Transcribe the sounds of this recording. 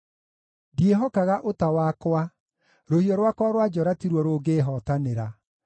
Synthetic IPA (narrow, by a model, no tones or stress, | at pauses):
djeɦɔkaɣaʔotawakwa | ɾohiɔɾwakwaɾwad͡ʒɔɾatiɾwɔɾoːɡeːɦɔtaneɾa